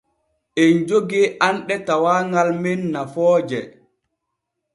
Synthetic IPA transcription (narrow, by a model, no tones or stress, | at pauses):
ʔɛnd͡ʒoɡianɗɛtawaːŋɡalmɛnːafɔːd͡ʒɛ